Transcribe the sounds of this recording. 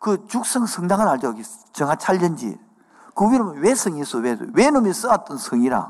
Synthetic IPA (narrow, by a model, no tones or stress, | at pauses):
kɯt͡ɕuk̚s͈ɯŋsʰɯŋdaŋɯnaɭd͡ʑoɡi | t͡ɕɯŋat͡ɕʰaɭd͡ʑɯnd͡ʑḭ | kɯwiɾomwesʰɯŋisʰowewenomis͈ɯat͈̚ɯnsʰɯŋiɾa̰